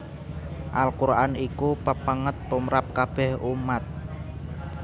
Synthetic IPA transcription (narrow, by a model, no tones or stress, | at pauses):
ʔalkuɾaanikupəpaŋət̪ːumɾap̚kab̥ɛhumat̪̚